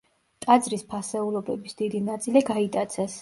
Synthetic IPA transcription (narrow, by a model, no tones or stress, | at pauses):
t̪ʼad̪zɾispʰasɛulˠɔbɛbisd̪̥id̪inat̪sʼiliɡait̪ʼat̪sʰɛs